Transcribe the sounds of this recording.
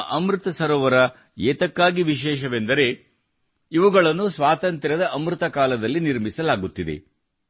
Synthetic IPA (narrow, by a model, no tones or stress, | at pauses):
ʔɐmɾut̪ɐsɐɾɔʋɐɾɐ | ɛːt̪ɐkːaːɡiʋiʃ̬ɛːʃɐʋend̪ɐɾe̞ | iʋuɡɐɭɐnːusʋaːt̪ɐnt̪ɾɐd̪ɐʔɐmɾɯt̪ɐkaːlɐd̪ɐlːiniɾmisɐlaːɡut̪ːid̪e̞̰